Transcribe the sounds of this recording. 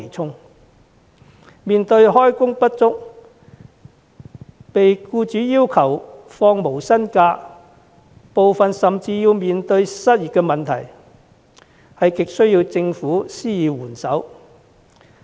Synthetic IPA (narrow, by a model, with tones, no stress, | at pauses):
t͡sʰʊ˥ŋ | miː˨nt̪ɵ˧ɥɦɔː˥jkʊ˥ŋpɐ˥t̚t͡sʊ˥k̚ | pe˨jkuː˧t͡ʃyː˨˥jiː˥wkʰɐ˨˩w | fɔː˧ŋmo˨˩wsɐ˥nkaː˧ | po˨wfɐ˨nsɐ˨mt͡siː˧jiː˧wmiː˨nt̪ɵ˧ɥsɐ˥t̚ji˨t̚kɛ˧mɐ˨nt̪ʰɐ̰˨˩j | hɐ˨jkɪ˨k̚sɵ˥ɥjiː˧wt͡sɪ˧ŋfuː˨˥siː˥jiː˨wuː˨˩nsɐ˨˥w